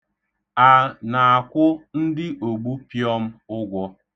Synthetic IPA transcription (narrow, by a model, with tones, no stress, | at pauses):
a˨na˨a˨kʷʊ˦n̩˦dɪ˦ʔo˨ɡ͡bu˦pjɔ˦m̩˦ʊ˦ɡʷɔ˦